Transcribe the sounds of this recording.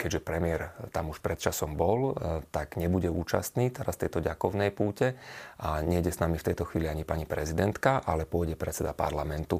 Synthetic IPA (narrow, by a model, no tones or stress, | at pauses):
kɛɟʒɛpɾɛmɪɛɾt̪amuʃpɾɛt̪̚t͡ʃasɔmbɔlt̪aɡɲɛbuɟɛuːt͡ʃa̰st̪niːt̪ɛɾast̪ɛjt̪ɔɟakɔʊnɛjpuːcɛʔaɲɛɟɛsnamift̪ɛjt̪ɔxʋiːliaɲipaɲipɾɛzid̪ɛnt̪kaʔalɛpʊɔjɟɛpɾɛt͡sɛd̪apa̰ɾlamɛnt̪u